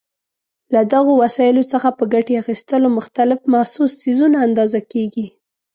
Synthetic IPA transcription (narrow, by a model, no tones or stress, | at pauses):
lad̪aɣowasɑjɪlot͡səxapəɡaʈeaxist̪əlomʊxt̪alɪfmahsussizunaːnd̪ɑzakeɡi